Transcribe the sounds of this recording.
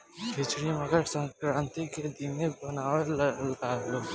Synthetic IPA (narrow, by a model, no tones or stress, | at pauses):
bʰʱɪt͡ʃɽimɐɡəɾsə̃ŋkɾãːnt̪iked̪imebɐnaːellaːlo